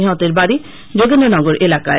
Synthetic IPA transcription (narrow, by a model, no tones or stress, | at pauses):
iɦɔt̪eɾbaɾi | d͡ʒoɡenɔnɔɡoɾʔelakae